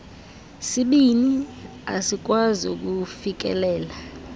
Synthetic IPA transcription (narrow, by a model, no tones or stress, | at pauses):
siɓini | a̰sik̬wazo̰k̬ufik̬ɛ̰lɛːla